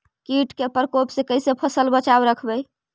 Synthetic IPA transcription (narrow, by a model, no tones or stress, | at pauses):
kiʈkepəɾkopsẽkəjsepʰəsəlbət͡ʃabɾəkʰbə